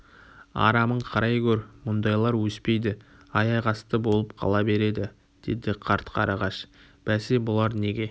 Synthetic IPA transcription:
ɑ̰ɾɑməɴqʰɑɾɑjkʲʰɵɾmʊnd̪ɑjlˠɑɾwɵspe̞jd̪ɪ | ɑjɑjʁɑst̪əbo̞lˠəp̚qʰɑ̰lˠɑbe̞ɾe̞d̪ɪ | d̪̥ed̪ɪqʰɑɾt̪qʰɑɾɑʁɑʃ | b̥æsebʊlˠɑɾne̞ɡʲe̞

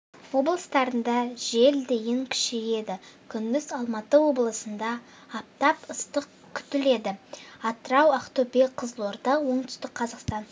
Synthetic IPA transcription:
wo̞blˠəst̪ɑɾənd̪ɑʒe̞ld̪e̞jʲɪŋkʲʰʏ̥ʃeje̞d̪ɪkʲʰʏnmɪzɑlˠmɑt̪əwo̞blˠəsənd̪ɑː | p̚t̪ɑpəst̪əq | kʲʰʏ̥t̪ɪle̞d̪ɪɑt̪əɾɑwaqt̪opeqʰəzlˠoɾd̪ɑwo̞ɴt̪ʰʏ̥st̪ɪk̚qʰɑzɑqst̪ɑn

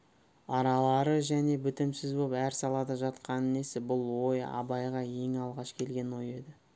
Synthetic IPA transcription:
ɑɾɑlˠɑɾəʒæne̞bʏt̪ɪmsɪzbo̞pæɾsɑlˠɑd̪ɑʒɑt̪qɑnəne̞sɪbʊlˠwo̞jɑ̰bɑjʁɑe̞ŋɑlˠʁɑʃkʲʰe̞lɡʲe̞nwo̞je̞d̪ɪ

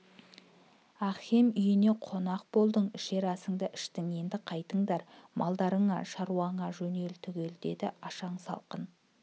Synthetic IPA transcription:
ɑχemʏjɪne̞qʰo̞nɑq̚bo̞lˠd̪əɴɪʃe̞ɾɑsəŋd̪ɑʔɪ̥ʃt̪ɪŋe̞nd̪ɪqʰɑjt̪əɴd̪ɑɾmʔɑlˠd̪ɑɾəɴɑʃɑɾuɑɴɑʒɵne̞lt̪ʰʏɡʲe̞ld̪e̞d̪ɪʔɑʃɑɴsɑ̰lˠqən

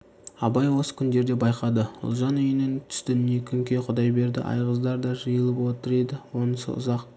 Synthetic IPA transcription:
ɑbɑjwo̞sə̥kʲʰʏnd̪e̞ɾd̪e̞bɑjqɑd̪əʊ̰lˠʒɑnʏjɪnɪŋt̪ʰʏ̥st̪ɪekʲʰʏŋkʲe̞qʰʊd̪ɑjbe̞ɾd̪ɪ̰ʔɑ̰jʁəzd̪ɑɾd̪ɑʒəjəlˠəpwo̞t̪əɾed̪ɪwo̞nəsə̰ʊ̰zɑq

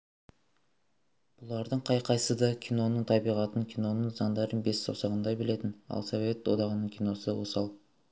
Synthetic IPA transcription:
b̥ʊlˠɑɾd̪əɴqʰɑjqʰɑjsəd̪ɑkʲʰino̞nəɴt̪ʰɑbijʁɑt̪əŋkʲʰijno̞nəɴzɑnd̪ɑɾənbe̞sːo̰sɑʁənd̪ɑjbɪle̞t̪ɪnɑ̰lˠsove̞t̪wo̞d̪ɑʁənəɴkʲʰijno̞səwo̰sɑlˠ

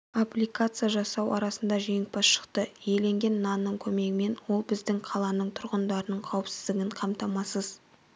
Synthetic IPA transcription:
aplʲijkat̪sɨijaʒɑsɑwʔɑ̰ɾɑsənd̪ɑʒijɪk̚pɑsʃə̥qt̪əjele̞ŋɡʲe̞nːɑnːəɴkʲʰɵme̞ɡʲɪme̞nwo̞lˠbɪzd̪ɪŋqʰɑlˠɑnəɴt̪ʰʊɾʁənd̪ɑɾənəɴqʰɑwəpsɪ̥zd̪ɪɡʲɪɴqʰɑmt̪ɑmɑsəz

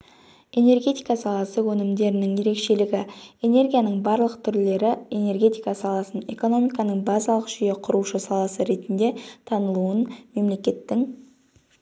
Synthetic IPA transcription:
e̞ne̞rɡʲe̞t̪ijkɑsɑlˠɑsəwɵnɪmd̪e̞ɾɪnɪŋje̞ɾe̞kʃe̞lɪɡʲɪe̞ne̞rɡʲijanəɴbɑɾlˠəqt̪ʰʏɾle̞ɾɪe̞ne̞rɡʲe̞t̪ijkɑsɑlˠɑsəne̞̰ko̞no̞mijkɑnəɴbɑzɑlˠəqʒ̥ʏje̞qʰʊɾuʃəsɑlˠɑsəɾe̞t̪ɪnd̪e̞t̪ʰɑnəlˠuənme̞mle̞kʲe̞t̪ːɪŋ

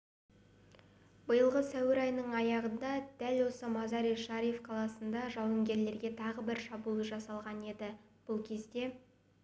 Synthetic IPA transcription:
bəjəlˠʁəsæwɪɾɑjnəɴɑjɑʁənd̪ɑd̪̥ælwo̞səmɑzɑɾijʃɑɾijefqʰɑlˠɑsənd̪ɑʒɑwəŋɡʲe̞ɾle̞ɾɡʲe̞t̪ʰɑʁəbɪɾʃɑbulˠəʒɑsɑlˠʁɑne̞d̪ɪ | b̥ʊlˠkʲʰe̞zd̪e̞

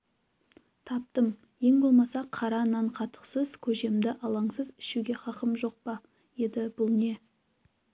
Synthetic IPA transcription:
t̪ʰɑp̚t̪əm | je̞ŋbo̞lˠmɑsɑqʰɑɾɑnːɑɴqʰɑt̪ə̥qsəz̥kʲʰɵʒe̞md̪ɪʔɑlˠɑɴsəzɪ̥ʃuɡʲe̞χɑqəmʒo̞q̚pɑ | je̞d̪ɪb̥ʊlˠne̞

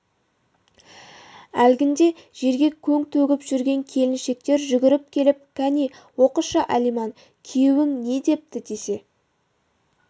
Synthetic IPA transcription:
ælɡʲɪnd̪e̞ʒ̥e̞ɾɡʲe̞kʲʰɵŋt̪ʰɵɡʲɪpʒ̥ʏɾɡʲe̞ŋkʲʰe̞lɪnʃe̞k̚t̪e̞ɾʒʏɡʲɪɾɪp̚kʲʰe̞lɪp̚kʰani | wo̞quʃəʔælijmɑn | kʲʰijwɪŋne̞d̪e̞p̚t̪ɪd̪e̞se̞

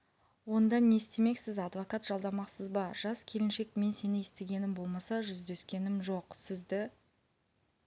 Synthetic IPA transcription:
wo̞nd̪ɑnːe̞st̪e̞me̞ksɪzɑd̪vokɑt̪ʒ̥ɑlˠd̪ɑmɑqsəzbɑʒ̥ɑskʲʰe̞lɪnʃe̞kme̞nse̞nɪest̪e̞ɡʲe̞nɪmbo̞lˠmɑsɑʒʏzd̪e̞skʲe̞nɪmʒo̞qsɪzd̪ɪ

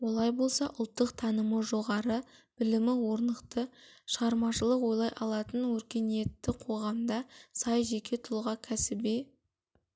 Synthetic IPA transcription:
wo̞lˠɑjbo̞lˠsɑʔʊlˠt̪ːəqt̪ʰɑnəməʒo̞ʁɑɾəb̥ɪlɪmɪwo̞ɾnəqt̪əʃəʁɑɾmɑʃəlˠəqwo̞jlˠɑjʔɑlˠɑt̪ənwɵɾkʲe̞ne̞t̪ːɪqʰo̞ʁɑmd̪ɑsɑjʒe̞kʲe̞t̪ʰʊlˠʁɑkʲʰæsɪbe

